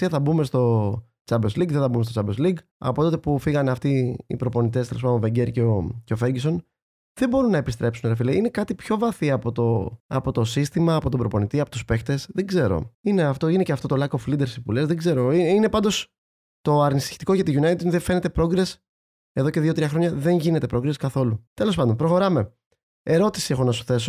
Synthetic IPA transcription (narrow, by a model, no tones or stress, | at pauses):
eθɐbume̞st̪o̞ | t͡sɐmbezliɡðeθɐbumest̪ot͡sɐbezliɡ | ɐ̰po̞t̪t̪epufiɣɐneɐft̪iḭpɾo̞po̞nit̪̬e̞st̪elepɐd̪ove̞ɲɟeɾceoceofeɾɟiso̞n | ðebo̞ɾunːɐepist̪ɾe̞psunɣɾɐfileine̞kɐt̪ipço̞vɐθiɐpo̞t̪o̞ɐ̰po̞t̪o̞sist̪imɐːpo̞t̪o̞bɾo̞po̞nit̪iɐpo̞t̪uspe̞xt̪e̞sðeɡze̞ɾo̞̰ine̞ɐft̪o̞ine̞ceɐft̪o̞t̪olɐkoflid̪e̞ɾsipulezðeɡze̞ɾo̞inine̞pɐnd̪o̞s | t̪o̞ɐɾnisi̥ç̥t̪iko̞ʝɐt̪iʝunɐjt̪id̪ðefe̞net̪epɾo̞ɡɾe̞s | e̞ðoce̞ðioɾiɐxɾo̞ɲɐðe̞nʝinet̪e̞pɾo̞ɡɾeskɐθo̞lut̪e̞lo̞spɐnd̪pɾo̞xo̞ɾɐme̞ | e̞ɾo̞t̪i̥siexo̞nɐsu̥θe̞so